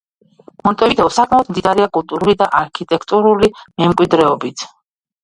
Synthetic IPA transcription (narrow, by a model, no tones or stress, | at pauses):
mɔnt̪ʼɔvit̪ʰɛɔsakʼmaɔd̪md̪id̪aɾɛakʼulˠt̪ʼuɾulid̪aʔaɾkʰit̪ʼɛkʰt̪ʼuɾulimɛmkʼwid̪ɾɛɔbit̪ʰ